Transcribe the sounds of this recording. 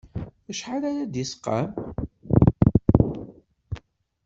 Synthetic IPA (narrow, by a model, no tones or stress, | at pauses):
æʃħaɾaɾad̪jəsqːɑ̰m